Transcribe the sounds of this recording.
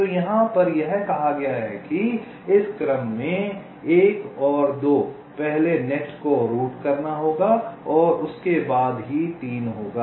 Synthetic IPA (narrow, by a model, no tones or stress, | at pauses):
t̪ojɐɦãpɐɾjɛɦkɐɦaɡɐjaɦɛ̰ki | ɪskɐɾəmːẽ | eːkɔːɾd̪oː | pɛɦlenɛʈkoɾuːʈkɐɾnaɦoːɡaɔːɾʊskebaːd̪ɦit̪iːnɦoːɡaː